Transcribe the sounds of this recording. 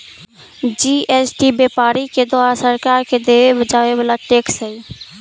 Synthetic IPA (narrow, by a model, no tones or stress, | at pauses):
d͡ʒiesʈibepaɾiked̪oaɾasəɾkaɾked̪eʋebəd͡ʒaʋebalaʈeksə